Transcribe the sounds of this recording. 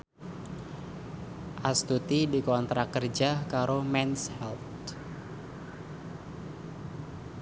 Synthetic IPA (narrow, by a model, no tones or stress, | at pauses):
ʔast̪ut̪idikɔnt̪ɾakərd͡ʒakaɾʔomɛnshɛlt̪